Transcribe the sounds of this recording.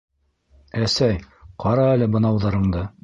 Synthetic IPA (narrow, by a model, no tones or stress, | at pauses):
æsæj | qʰɑɾɑælɘbɤ̆nɑwðɑɾɤ̆ɴd̪ɤ